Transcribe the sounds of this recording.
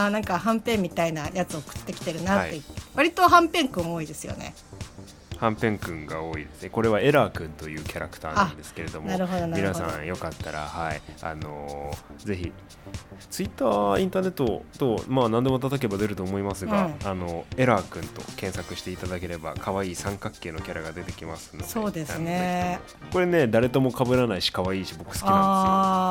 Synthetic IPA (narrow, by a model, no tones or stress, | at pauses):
aːnãŋkaɦãmpẽ̞mːʲit̪ainajat͡sɨokɯ̥t̪ːe̞kʲi̥t̪e̞ɾɯ̟naat̪ːeβaɾʲit̪o̞ɦãmpẽ̞ŋkɯ̟̃ɰ̃o̞ːid̪e̞sɨjo̰nḛ | hãmpẽ̞ŋkɯ̟̃ŋɡao̞ːid̪e̞sɨne̞ko̞ɾe̞βae̞ɾaːkɯ̟̃nt̪o̞jɯ̟ːkʲaɾakɯ̟̥aːnãnd̪e̞sɨ̥ke̞ɾe̞d̪o̞moaɾɯɦ̪minasã̰ɰ̃jo̞kat̪ːaɾa̰haia̰no̞ze̞çi | t͡sɨit̪ːaːĩnt̪aːne̞t̪ːo̞t̪o̞maːnãnd̪e̞mo̞t̪at̪ak̬ebad̪e̞ɾɯ̟t̪oːmo̞imasɨɡaːno̞e̞ɾaːkɯ̟̃nt̪o̞̰kẽ̞ɰ̃sakɯ̟ɕi̥t̪e̞it̪ad̪ak̬e̞ɾe̞ba̰kʰaβaiːsãŋkakːe̞ːno̞kʲaɾaɡad̪e̞t̪e̞kʲimasɨ̥nːodeoːd̪esae | ko̞ɾe̞ne̞d̪aɾe̞t̪o̞mo̞kabɯ̟ɾanaiɕi̥kaβaiːɕibo̞kɯ̟̥sɨ̥ki